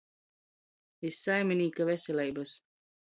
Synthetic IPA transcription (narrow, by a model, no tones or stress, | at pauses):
isːajmʲinʲiːkavɛsʲɛlʲɛjbas